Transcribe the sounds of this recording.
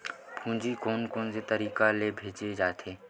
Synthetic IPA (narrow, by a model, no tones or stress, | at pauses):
pʰũːd͡ʒikoːnkoːnset̪əɾiːkalebʱeːd͡ʒed͡ʒaːt̪ʰeː